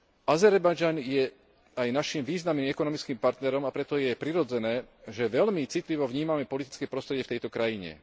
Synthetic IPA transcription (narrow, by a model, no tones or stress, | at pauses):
azɛɾbajd͡ʒanjɛ | ajnaʃimʋiːznamniːmɛkɔnɔmit͡skiːmpaɾt̪nɛɾɔmapɾɛt̪ɔjɛpɾiɾɔd͡zɛnɛːʒɛʋɛlmit͡sit̪liʋɔvɲiːmamɛpɔlit̪i̥t͡skɛːpɾɔst̪ɾɛɟɪɛft̪ɛjt̪ɔkɾajiɲɛ̰